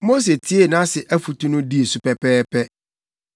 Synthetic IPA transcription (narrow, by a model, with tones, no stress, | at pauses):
mo˦s̬e˨tʰi˦e˦˨nã˦sɪ˨ʔæ˦fu˨tʰu˦nʊ̃˦di˦e˨su˨pɛ˦pʰɛː˦pʰɛ˦